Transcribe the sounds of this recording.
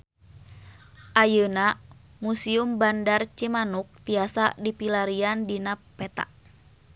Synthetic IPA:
ʔajəna | musiumbandart͡ʃimanuk̚t̪iasa̰dipilaɾiandinapɛt̪a̰ʔ

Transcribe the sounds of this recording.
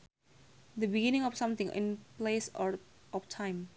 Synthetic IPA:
d̪əbiɡinɪ̃ŋɔfsãmt̪ɪ̃ŋɪ̰̃nplesɔʔɔftʰãɪ̃m

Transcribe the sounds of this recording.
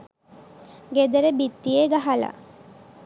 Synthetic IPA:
ɡed̪əɾebit̪ːijeɡaɦala̰

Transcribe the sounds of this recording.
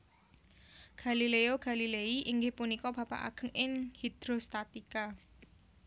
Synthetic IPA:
ɡ̥a̤lileoɡ̥a̤lileiʔiŋɡɪhpunikɔb̥a̤pa̰ʔa̰ɡ̥ə̤ŋɪŋhid̪̥ɾost̪at̪ika

